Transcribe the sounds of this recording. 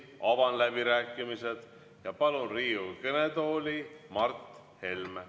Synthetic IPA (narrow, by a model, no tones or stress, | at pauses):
ɑvɑnlæbiɾæːkːˑimise̞d̪̥ | jɑpɑlunriːukɤnet̪oːlʲimɑrt̪he̞lm